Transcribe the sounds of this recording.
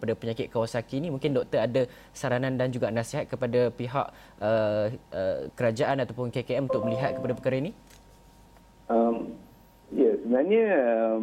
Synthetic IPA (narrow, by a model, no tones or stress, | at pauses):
padapəɲakɪt̪̚kawasakiːnimũŋkɪndɔʔk̚t̪əɾada | saɾanãndand͡ʒuɡanãsiɦat̪̚kəpadapiɦa̰ʔ | əʔəkəɾad͡ʒaʔanat̪awpʊnkekeɛmunt̪ʊk̚məliɦat̪̚kəpadapəkaɾaini | əm | jasəbənaɲə